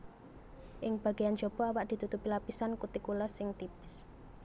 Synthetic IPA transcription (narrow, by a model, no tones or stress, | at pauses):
ʔɪŋb̥a̤ɡ̥ejan̥d͡ʒɔb̥ɔawaʔd̪̥i̤t̪ut̪upilapisankut̪ikulasɪŋt̪ips